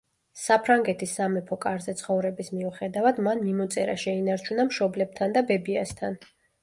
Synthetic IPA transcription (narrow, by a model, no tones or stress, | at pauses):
sapʰɾaŋɡɛt̪ʰisːamɛpʰɔkʼaɾzɛt̪sʰχɔvɾɛbismiuχɛd̪avad̪manmimɔt̪sʼɛɾa̰ʃɛinaɾt͡ʃʰunamʃɔblɛb̚t̪ʰand̪abɛbiast̪ʰan